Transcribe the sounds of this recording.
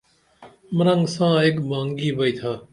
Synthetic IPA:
məɾəŋɡsãːekmãːŋɡiːbəiːt̪ʰaː

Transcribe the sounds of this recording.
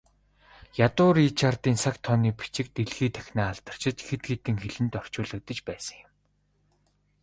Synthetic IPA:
jat̪ʊːɾiːt͡ɕʰart̪iːnsakt̪ʰːɔniːpi̥t͡ɕɪ̆k̚t̪eɮɣiːt̪ʰæ̥xʲnaːɮt̪ə̥̆r̥t͡ɕɪ̆t͡ɕxet̪̚ɡeːt̪ɘ̆ŋxeɮɘ̆nt̪ɔr̥t͡ɕʊːɮə̆k̚t̪ə̆t͡ɕpæːsə̥̆ŋjʊ̆m

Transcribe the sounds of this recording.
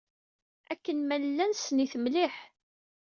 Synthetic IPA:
ækːənmællːænsniθəmliħ

